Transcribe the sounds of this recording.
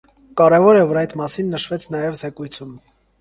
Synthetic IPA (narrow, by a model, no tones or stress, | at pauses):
kɑɾɛvɔɾɛvɔɾɑjt̪mɑsinːəʃvɛt͡sʰnɑjɛvzɛkujt͡sʰum